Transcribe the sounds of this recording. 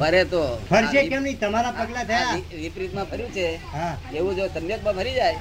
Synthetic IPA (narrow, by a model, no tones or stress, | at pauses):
bʱəɾet̪ofʰəɾt͡ʃekɛmnəit̪əmaɾapəɡlat̪ʰəjjai | ʋipɾit̪mãbʱəɾjũt͡ʃʰeɦãeʋũd͡ʒosəmjək̚mãbʱəɾid͡ʒaj